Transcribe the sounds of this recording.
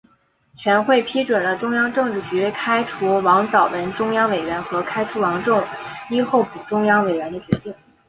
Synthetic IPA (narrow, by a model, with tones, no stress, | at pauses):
t͡ɕʰɥɛ˧˥nxwe˥˩ɪpʰi˥ʈ͡ʂwə˨˩nlə˦ʈ͡ʂʊ˥ŋjɑ˥ŋʈ͡ʂɤ˥˧ŋʈ͡ʂɻ̩˥˩t͡ɕy˧˥˩kʰa˥ɪʈ͡ʂʰu˧˥wɑ˧˥ŋt͡sɑ˨˩ʊwə˧˥nʈ͡ʂʊ˥ŋjɑ˥ŋwe˨˩ɪɥɛ˧˥nxɤ˧˥kʰa˥ɪʈ͡ʂʰu˧˥wɑ˧˥ŋʈ͡ʂʊ˥˩ŋi˥xo˥˩ʊpu˨˩ʈ͡ʂʊ˥ŋjɑ˥ŋwe˨˩ɪɥɛ˧˥nd̪ə˧t͡ɕɥɛ˧˥t̪i˥˩ŋ